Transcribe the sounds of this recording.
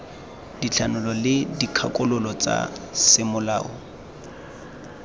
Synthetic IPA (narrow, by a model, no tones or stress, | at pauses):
d̥it͡ɬʰanʊlɔlɪdikʰakʊlʊlɔt͡sa̰sɪmʊla̰ːɔ